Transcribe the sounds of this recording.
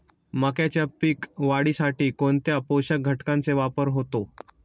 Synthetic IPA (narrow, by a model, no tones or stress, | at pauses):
məkjat͡ɕjapiːkʋaɽiːsaʈiːkoɳt̪japowɕəɡʱəʈkãnt͡seʋapəɾɦot̪o